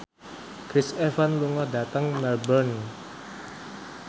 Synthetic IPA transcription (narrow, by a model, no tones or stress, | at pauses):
kɾɪsɛfanluŋɔdä̤t̪əŋmɛlbən